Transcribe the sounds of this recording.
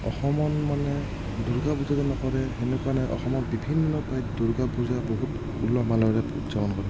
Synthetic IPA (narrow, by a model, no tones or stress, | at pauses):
ɔxɔmɔnmanɛ | duɹɡabuzatɛnɔkɔɹɛxɛnɛkuanɛʔɔ̰xɔmɔtbibʱinːɔpajduɹɡabuzaboɦut | ulɔɦɔmalɔɹɛṵzɔbɔnkɔɹɛ